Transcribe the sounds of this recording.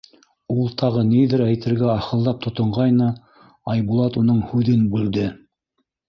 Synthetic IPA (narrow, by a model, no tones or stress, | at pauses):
ulˠt̪ʰɑʁɤniðɘɾæjt̪ɘ̆ɾɡæɑχɤ̆lˠːɑp̚t̪ʰŏt̪ŏɴʁɑjnɤ | ɑjβulˠɑt̪un̪ɤɴhʉðɘnbʉld̪ɘ